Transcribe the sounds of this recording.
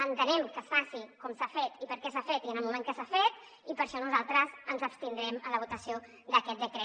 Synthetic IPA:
ənt̪ənɛmkəsfasikɔmsafet̪ipəɾkɛsafet̪iənəlˠmumẽŋkəsafet̪ | ipəɾʃɔnuzalˠt̪ɾəzənzəpst̪ind̪ɾɛmələβ̞ut̪əsio | d̪əkɛt̪̚d̪əkɾɛ

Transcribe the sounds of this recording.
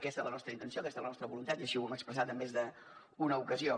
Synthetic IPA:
kɛst̪ələnɔst̪ɾəint̪ənsioəkɛst̪ələnɔst̪ɾəβulunt̪at̪iəʃiuɛməkspɾəsat̪əmːezðə | unəukəzio

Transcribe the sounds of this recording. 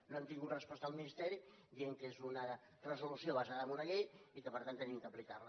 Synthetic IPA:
noant̪iŋɡut̪rəspɔst̪əalˠminist̪ɛɾi | d̪ieŋkezunə | rəzulusjoβəzaðəmunəɣejikəpəɾt̪ant̪ːənimkəplika̰rlə

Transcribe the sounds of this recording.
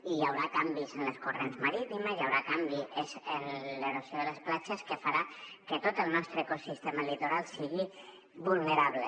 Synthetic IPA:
ijawɾakambizənləskurenzməɾit̪iməzjawɾakambiezənleɾosjoðələsplat͡ʃəskəfaɾakət̪ot̪əlˠnɔst̪ɾəekosist̪eməlit̪oɾalˠsiɣi | βulˠneɾaβle

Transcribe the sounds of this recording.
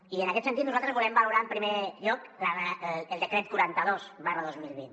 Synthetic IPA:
iənəkɛt̪snt̪it̪nuzalˠt̪ɾəzβulɛmbaluɾaəmpɾimeʎɔkləreəlˠd̪əkɾɛt̪̚kuɾant̪əðosβarəðozmilˠβin

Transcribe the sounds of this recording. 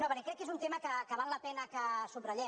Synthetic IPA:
noβɛnekɾɛkːezunt̪eməkəkəβallɐpɛnəkəsubrəʎɛ

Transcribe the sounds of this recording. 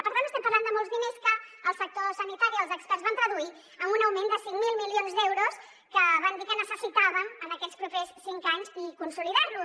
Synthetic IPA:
əpəɾt̪anəst̪ɛmpərland̪əmolˠzðineskəəlˠsək̚t̪osənit̪aɾiəlˠzəkspɛɾrzβant̪ɾəðui | əmunəwmend̪əsiŋmilˠmilionzd̪ɛwɾus | kəβand̪ikənəsəsit̪aβənənəkɛspɾupessiŋkaɲzikunsuliðaɾlu

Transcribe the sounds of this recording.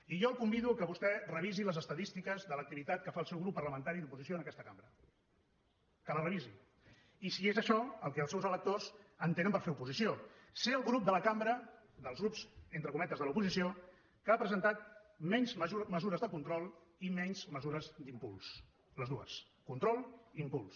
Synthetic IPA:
iʒɔlˠkumbiðukəβust̪ɛrəβ̞iziləzəst̪əðist̪ikəzðələk̚t̪iβit̪at̪̚kəfaːlˠsɛwɣɾupːərləmə̃nt̪aɾiðupuzisioənəkɛst̪əkambɾə | kələrəβizi | isiezəʃɔəlˠkɛəlˠsɛwzələk̚t̪ozənt̪enəmpəɾfeupuzisioseəlˠɣɾup̚d̪ələkambɾə | d̪əlˠzɣɾupzent̪ɾəkumɛt̪əzðəlupuzisio | kəapɾəzənt̪at̪̚mɛɲzməzuɾəzðəkunt̪ɾɔlˠ | imɛɲzməzuɾəzd̪impṵlˠs | ləzðuə̰s | kunt̪ɾɔlˠimpulˠs

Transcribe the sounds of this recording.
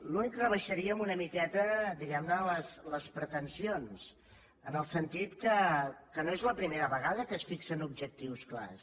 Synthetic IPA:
lunikrəβəʃəɾiəmunəmikɛt̪əd̪iɣɛmnələsləspɾət̪ənsions | ənəlˠsənt̪it̪kəkənoezləpɾimeɾəβəɣ̞aðəkəsfiksənub̚ʒək̚t̪iwskla̰s

